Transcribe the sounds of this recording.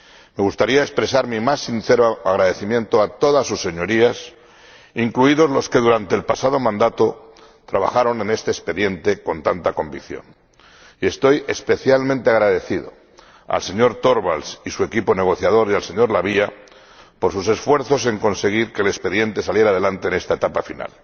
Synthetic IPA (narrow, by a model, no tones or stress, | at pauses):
me̞ɣ̞ust̪aɾiaespɾe̞saɾmimasːinθe̞ɾoaɣ̞ɾaðe̞θimjent̪oat̪o̞ðasːusːe̞ɲo̞ɾias | iŋkluiðo̞zloske̞ð̞uɾant̪e̞ːlpasað̞o̞mãnd̪at̪o | t̪ɾaβa̰xaɾo̞nẽ̞ne̞st̪e̞ːspe̞ðje̞nt̪eko̞nt̪ant̪ako̞mbikθjo̞̰n | ie̞st̪o̞je̞spe̞θjalmẽnt̪eaɣ̞ɾaðe̞θiðo̞̰ | a̰lse̞ɲo̞ɾt̪o̞ɾβalsisue̞kipo̞ne̞ɣ̞o̞θjað̞o̞ɾjalse̞ɲo̞ɾlaβia | po̞ɾsuse̞sfwe̞ɾθo̞se̞ŋko̞nse̞ɣ̞iɾke̞ːlespe̞ðje̞nt̪e̞salje̞ɾað̞e̞lant̪e̞ːne̞st̪aet̪apafina̰l